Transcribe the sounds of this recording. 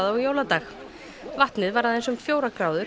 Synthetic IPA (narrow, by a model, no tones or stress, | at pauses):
ðɔɣjowlat̪aːx | vaht̪nɪðvaɾaðɛnsʏmfjoːwɾakɾaːwðʏ